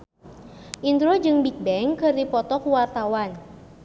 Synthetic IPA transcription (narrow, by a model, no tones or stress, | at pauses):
ʔind̪ɾod͡ʒɨŋbik̚bɛŋkɨrdipɔt̪ɔkuwart̪awan